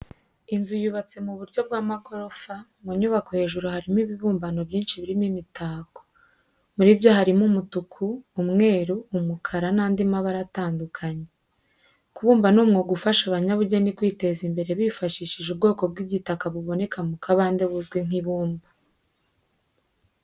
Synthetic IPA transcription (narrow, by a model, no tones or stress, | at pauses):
inzujuβat͡se̞muβuɾɟo̞b̚ɡaːmaɡo̞ɾo̞famoɲuβakohe̞ːʒuɾuhaɾimiβiβuːmbano̞bjiːnʃiβiɾimimitaːko̥ | muɾibjo̞haɾimumutukʰuːmŋe̞ːɾuːmukʰaɾanaːndimaβaɾataːndukʰaɲe | kuβuːmbanumŋoɡufaʃaβaɲaβuɟenikwiːte̞zimbe̞ɾe̞βifaʃiːʃiʒub̚ɡo̞ːko̞bɡiɟitakaβuβo̞ne̞kamukʰaβaːnde̞βuzɡweŋ̥iβuːmba